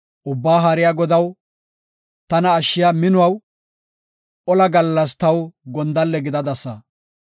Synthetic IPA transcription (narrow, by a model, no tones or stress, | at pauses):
ʔʊbːaːɦaːɾɪjaːɡɔd̪ɐw | t̪ɐnɐːʃːɪjamɪnʊwɐw | ʔɔlɐɡɐlːɐst̪ɐwɡɔnd̪ɐlːɛɡɪd̪ɐd̪ɐsːɐ